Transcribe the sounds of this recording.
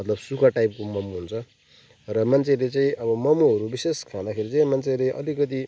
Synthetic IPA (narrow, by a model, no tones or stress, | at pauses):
mʌt̪lʌbsukʰaʈajp̚komʌmuɦunt͡sʰʌ | rʌmant͡sʰelet͡saĩʌbʌmʌmuɦʌɾubiseskʰãd̪akʰeɾit͡saĩmant͡sʰeleʔʌ̰likʌt̪i